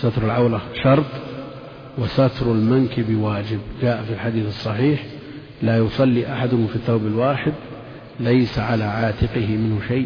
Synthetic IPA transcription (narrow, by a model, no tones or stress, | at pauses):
sat̪ɾʊlʕawlaʃɑɾˤt̪ˤ | wɪsat̪ɾˤʊlmankɪbɪwaːd͡ʒɪbd͡ʒaːʔfilħad̪iːθɨsˤːɑħiːħ | laːjʊsˤɑlːiʔaħad̪ʊhʊmfiθːaːbɪlwaːħɪd̪ | lajsaʕalaʕaːt̪ɪqɪhɪmɪnhʊʃaj